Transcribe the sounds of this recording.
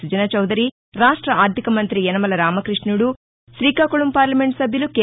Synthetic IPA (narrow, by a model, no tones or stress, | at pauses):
ud͡ʒɐnɐt͡ʃɐwd̪ɐɾi | ɾaːʂʈɾɐaːɾt̪ikɐmɐnt̪ɾiɛnɐmɐlɐɾaːmɐkɾiʂʈɳnuɽu | ʃɾiːkaːkoɭumpaːɾlɐmeɳʈsɐbʱjɐlukeː